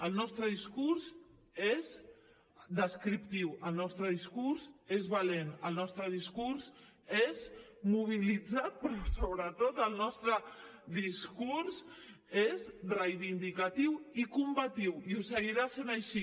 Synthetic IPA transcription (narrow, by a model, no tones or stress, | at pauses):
əlˠnɔst̪ɾəðiskuɾz | ez | d̪əskɾip̚t̪iwəlˠnɔst̪ɾəðiskuɾzezβalenəlˠnɔst̪ɾəðiskuɾz | ezmuβ̞ilid͡zat̪̚pɾɔsoβɾət̪ot̪əlˠnɔst̪ɾəðiskuɾs | ezrəjβind̪ikat̪iwikumbat̪iwiusəɣiɾasenaʃi